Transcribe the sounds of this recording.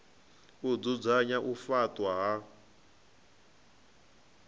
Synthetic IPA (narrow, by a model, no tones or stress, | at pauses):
ud͡zud͡zaɲaʔufatʼwaɦa